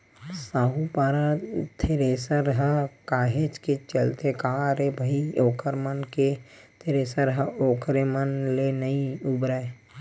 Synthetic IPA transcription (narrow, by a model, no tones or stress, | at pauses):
saːɦupaːɾat̪ʰeɾeːsəɾɦəkaːɦet͡ʃket͡ʃəlt̪ekaːɾebʱəioːkəɾmənket̪ʰeɾeːsəɾɦəoːkʰɾemənlenəiubɾae